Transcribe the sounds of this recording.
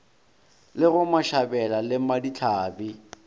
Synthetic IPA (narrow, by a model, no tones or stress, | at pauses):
lɪɣʊmaʃabɛlalɪmadit͡ɬʰaːbi